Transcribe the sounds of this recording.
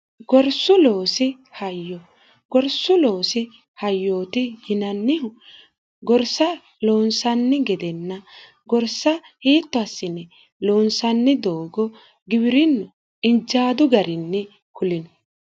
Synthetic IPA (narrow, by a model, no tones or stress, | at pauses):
ɡɔɾsʊlo̞ːsɪ | hɐjːɔ | ɡ̥ɔɾsʊlo̞ːsɪ | hɐjːoːt̪ɪjɪnɐnːɪhʊ | ɡɔɾsɐ | loːnsɐnːɪɡɛd̪ɛnːɐ | ɡɔɾsɐ | hiːt̪ːɔɐsːɪnːɛ | lo̞ːnsɐnːɪd̪o̞ːɡɔ | ɡɪbɪɾɪnːɔ | ɪnd͡ʒaːd̪ʊɡɐɾɪnːɛ | kʊlɪnɔ